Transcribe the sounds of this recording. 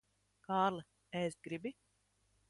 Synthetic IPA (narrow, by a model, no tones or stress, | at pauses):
kaːɾlˠɨ | ɛsɡɾibi